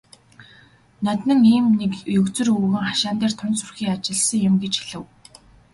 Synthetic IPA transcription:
næt̪ʲnɘ̆ŋiːmnekjɵkt͡sɘ̆ruːɣɘ̆ŋχaʃaːnt̪eːr̥t̪ʰʊnt͡sʊrxʲiːŋat͡ɕɪ̆ɮsə̆ŋjʊmɡet͡ɕxiɮɘ̆w

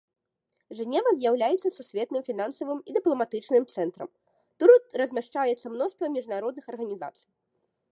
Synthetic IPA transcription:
ʐɨnʲɛvɐzʲjawlʲajɛt̪sːɐsusʲvʲɛt̪nɨmfʲinansɐvɨmid̪ɨplˠɐmat̪ɨt͡ʂnɨmt̪sɛnt̪ɾɐ̰m | t̪uɾut̪rɐzʲmʲaʂt͡ʂajɛt̪sːɐmnɔst̪vɐmʲiʐnaɾɔd̪̚nɨxɐrɣɐnʲiza̰t̪sɨ̥j

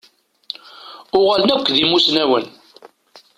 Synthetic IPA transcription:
ʊʁalnækʷːðimusnæwən

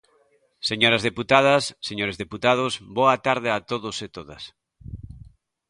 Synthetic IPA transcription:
seɲoɾɐzðeput̪að̞ɐsːeɲoɾezðeput̪að̞ʊsbɔat̪aɾðɪat̪oðoset̪oðɐs

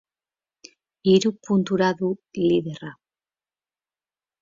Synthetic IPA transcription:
iɾupunt̪uɾaðuliðera

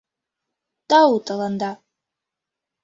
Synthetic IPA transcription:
t̪autʼalˠand̪a

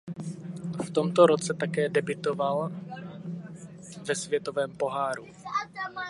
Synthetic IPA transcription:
ft̪o̞mt̪oɾot͡sɛt̪akɛːdɛbɪt̪oval | vɛsvjɛt̪ovɛːmpo̞ɦaːɾu

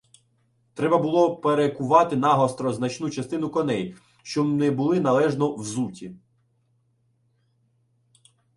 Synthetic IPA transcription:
t̪ɾɛbɐbʊlˠɔpeɾekʊʋɑt̪ɪnɑɦɔst̪ɾɔznɐt͡ʃnut͡ʃɐst̪ɪnʊkɔnɛj | ʃt͡ʃɔbnɛbʊlˠɪnɐlˠɛʒnɔwzutʲḭ

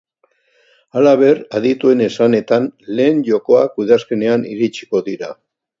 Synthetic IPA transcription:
alaβ̞e̞ɾaðit̪ue̞ne̞sane̞t̪anle̞ːɲʝo̞ko̞akuðaske̞ne̞aniɾit͡ʃi̥ko̞ðiɾa

